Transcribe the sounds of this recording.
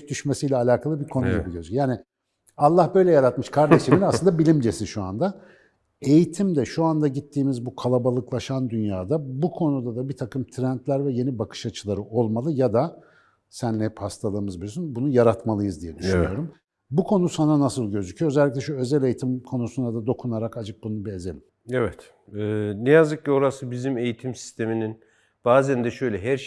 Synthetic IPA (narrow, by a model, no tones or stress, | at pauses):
d̪yʃmesijlʲɛːlʲaːkʰalˠɯbiɾkʰo̞nujabilʲøzycʰjaːni | alˠːahbø̞jlʲɛjaɾat̪mɯʃkʰaɾd̪e̞ʃiminasɯnd̪abilʲimd͡ʒe̞siʃua̰nd̪a | e̞jit̪ʰimd̪ɛʃuand̪aɟit̪ʰːiːmizbukʰalˠabalˠɯklˠaʃand̪ynjaːd̪abukʰo̞nud̪ad̪abit̪ʰakɯmt̪ʰɾænt̪lʲæɾvɛje̞nibakʰɯ̥ʃat͡ʃʰɯlˠaɾɯʔo̞lˠmalˠɯjad̪a | sænɛphast̪ʰalˠɯːɯmɯzbilysynbunujaɾat̪malˠɯjɯzd̪ijɛd̪yʃʃynyjo̞ɾum | bukʰo̞nusananasɯlˠɟø̞zycʰyjo̞ø̞zɛlʲːic̬ʲlʲɛʃuø̞zælʲe̞jit̪ʰimkʰo̞nusund̪ad̪ad̪o̞kʰunaɾakad͡ʒɯk̚bununbiezelʲim | evɛt̪ː | nɛjazd̪ɯk̚cio̞ɾasɯbizime̞jit̪ʰimsi̥st̪ʰe̞minin | b̥aːzænd̪ɛʃø̞jlʲɛɦæɾʃ